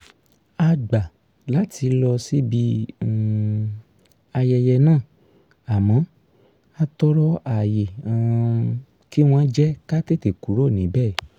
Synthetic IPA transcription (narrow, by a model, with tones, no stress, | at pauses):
a˧ɡ͡ba˨ | la˨˦ti˧lɔ˧si˦bi˧˦ | a˧jɛ˧jɛ˧nãː˦˨ | a˨mã˨˦ | a˦tɔ˦ɾɔ˦a˨je˨ã˨ | ki˦w̃ã˧˦d͡ʒɛ˦ka˦te˦˨te˨ku˨˦ɾo˦˨nĩ˨˦bɛː˦˨˦